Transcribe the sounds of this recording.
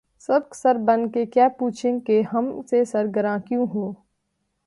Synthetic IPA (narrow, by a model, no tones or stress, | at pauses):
sɐb̚ksɐɾbɐnkekjaːpuːt͡ʃʰɪ̃ŋkeɦɐmsesɐɾɡəɾãːkjũɦoː